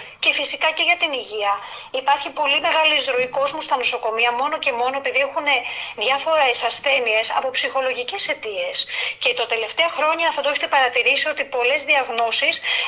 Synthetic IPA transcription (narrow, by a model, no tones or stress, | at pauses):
ce̞fisikɐce̞ʝɐt̪iniʝiɐipɐɾçipo̞lime̞ɣɐlizɾoiko̞zmost̪ɐno̞so̞ko̞miɐmo̞no̞ce̞mo̞no̞e̞piðiexune̞ðʝɐfo̞ɾɐesɐsθe̞nie̞sɐ̰po̞psixo̞lo̞ʝice̞se̞t̪ie̞sce̞t̪ot̪e̞le̞ft̪e̞ɐxɾo̞ɲɐfθɐt̪oeçiet̪epɐɾɐt̪iɾisio̞t̪ipo̞le̞zðiɐɣno̞sis